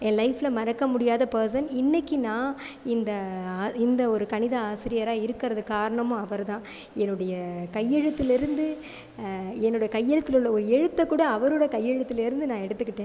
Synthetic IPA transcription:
ɛnlɐɪfɪlɐmɐɾɐkːɐmʊɽɪjaːðɐpɐɾs̬ɐnɪnːɐkːinãː | ɪnd̪ɐːɪnd̪ɐɔɾɯkɐnɪðɐaːsɪɾɪjɐɾaːɪɾɯkːɪɾɐðɯkaːɾɐɳɐmʊ̃ɐʋɐɾt̪ãː | ɛnːɯɽɐjɐkɐjːɛɻɯt̪ːɪlɪɾɯnd̪ɯ | ɛnːɯɽɐjɐkɐjːɛɻɯt̪ːɪlɯɭːɐɔɾɯɛɻɯt̪ːɐkːuːɽɐːʋɐɾoːɽɐkɐjːɛɻɯt̪ːɪlɪɾɯnd̪ɯnãːɛɽɯt̪ːɯkːɪʈːẽː

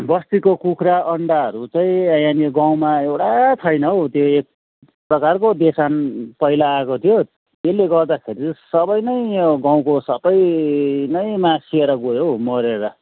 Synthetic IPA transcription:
bʌst̪ikokukʰɾaʔʌɳɖaɦʌɾut͡sʌĩʌjaniɡaw̃maewɽat͡sʰʌjnʌot̪joek̚ | prʌkarkod̪esanpʌilaːkot̪ʰijo | eleɡʌrd̪akʰeɾisʌbʌjnʌjɡãw̃kosʌbʌjnʌjmasieɾʌɡojomʌɾeɾʌ

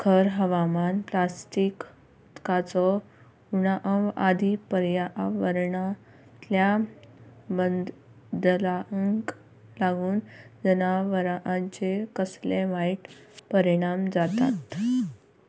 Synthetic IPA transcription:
kʰəɾɦəʋamanplasʈik | ut̪kat͡sɔ | unaʔəʋad̪ʱipəɾjaʋəɾɳa | t̪lja | bənd̪ | d̪laəŋk | laɡuːnd͡zənaʋəɾaʔãnt͡ɕekəsleʋaiʈpəɾiɽ̃amd͡zat̪a̰t̪

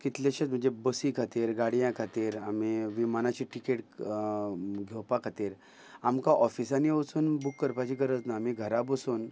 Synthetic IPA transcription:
kit̪laɕet̪m̤ə̃nd͡zebəsikʰat̪iːɾɡaɽjãkʰat̪iːɾamiʋimanat͡ɕiʈikeʈ | ɡʱowpakʰat̪iːɾ | amkaʔɔfisaniət͡suːnbukːəɾpat͡ɕikɡəɾəd͡znaːmiɡʱəɾabəsuːn

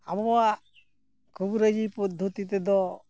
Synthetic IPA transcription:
abɔɔaʔ | kʰubɾəd͡ʒiput̪̚d̪ʱut̪it̪ɛd̪ɔ

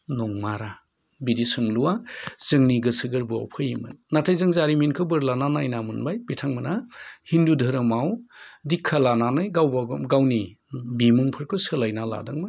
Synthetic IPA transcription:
nɔŋmaɾa | bidisɯŋluwazɯŋniɡɯsɯɡɯɾbua̰wpʰɯjimɯ̰nːatʰajzɯŋzaɾiminkʰɯbɯɾlananajnamɯnbajbitʰaŋmɯnahindudʱɯɾɯmawdikʰːalananɯjɡawbaɡawni | bimuŋpʰɯɾkʰɯsɯlajnala̰dɯŋmaj

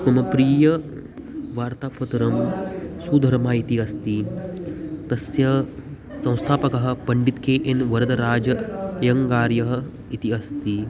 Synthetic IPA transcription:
mɐmɐpɾiːjɐ | ʋaːɾt̪aːpɐt̪ɐɾɐmsuːd̪ʱɐɾmaːit̪iɐst̪i | t̪ɐsjɐ | sɐ̃w̃st̪ʰaːpɐkɐɦɐ̆pɐɳɖit̪keːʔenʋɐɾɐd̪ɐɾaːd͡ʒɐjɐŋkaːɾjɐɦɐ̆ | it̪iɐst̪i

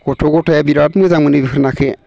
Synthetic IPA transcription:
ɡ̥ɔtʰɔɡɔtʰajabiɾat̚mɯzaŋmɯnibikɾnakʰe

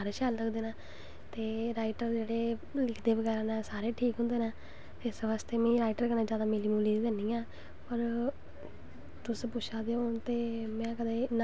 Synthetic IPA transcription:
aɾeːʃaːlːəɡd̪eːnaː | t̪eːɾaːɪʈəɾd͡ʒeːɽeː | lɪkʰd̪eːbəɡɛːɾãːnãːsaːɾeːʈʰiːkɦʊ̃nd̪eːnaː | t̪eːɪsʋaːst̪eːmɛ̃ːɾaːɪʈəɾkənãːd͡ʒjaːd̪aːmeːliːmuːliːɡ̪əːnĩːãː | pəɾ | t̪ʊspʊʃʰaːd̪eoːnt̪eːmɛ̃ːkəd̪eːna

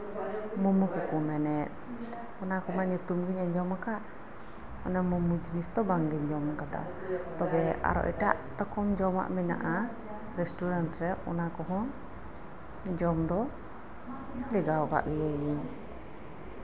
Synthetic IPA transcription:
mumukukumɛnɛt̪̚ | ɔnakɔmaɲut̪umɡiɲɛɲd͡ʒɔmakaʔ | ɔnɛmumud͡ʒinist̪ɔbaŋɡiɲd͡ʒɔmakad̪a̰ | t̪ɔbɛa̰ɾɔ̰ʔitaʔ | ɾɔkɔmd͡ʒɔma̰ʔmina̰ʔa | ɾɛstuɾantɾɛɔ̰nakɔɦɔ | d͡ʒɔmd̪ɔ | lɛɡaɔka̰ʔɡɛjɛin

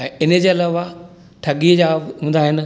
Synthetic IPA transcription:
ɛ̃ːɪnə̆d͡ʑeːɐlaːʋa | ʈʰɐɠid͡ʑaːɦũːnd̪aɦɪn̆

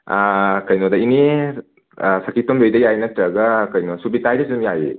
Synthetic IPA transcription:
akɐjnodɐini | sɐkitombojdɐjajnɐtɾɐɡɐkɐjnosubitajdɐsidumjaji

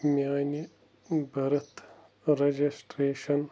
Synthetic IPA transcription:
mjaːni | bɐɾɐt̪ | ɾed͡ʒisʈɾeːʃɐn

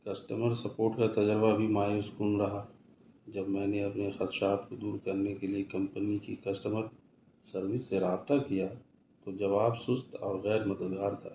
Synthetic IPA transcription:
kɐsʈəməɾsɐpoːʈkat̪ɐd͡ʒəɾbabʱimaːjuskʊnɾɐɦa | d͡ʒɐbmɛ̃ːneɐpnexət̪ʃaːt̪kod̪uːɾkɐɾnekeliekɐ̃mpənikikɐsʈəməɾ | sɐɾʋɪsːeɾaːb̚t̪akija | t̪od͡ʒɐβaːbsʊst̪ʰɔːɾɣɛːɾmɐd̪əd̪ɡaːɾt̪ʰa̰ː

